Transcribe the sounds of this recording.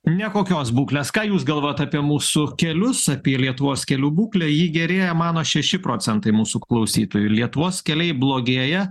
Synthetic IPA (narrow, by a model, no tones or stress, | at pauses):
nʲɛkoːkʲoːsbuːklʲeːskɑːjuːs̬ɡɐlˠʋoːjoːt̪ɑpʲiɛmuːsʊkʲɛlʲʊsɑpʲiɛlʲiɛt̪ʊʋoːskʲɛlʲuːbuːklʲɛjiːɡʲɛɾʲeːjɛmɑːnoːʃʲɛʃʲɪpɾoːsʲɛnt̪ɐɪmuːsuklˠɐʊsʲiːt̪oːjulʲiɛt̪ʊʋoːskʲɛlʲɛɪblˠoːɡʲeːjɛ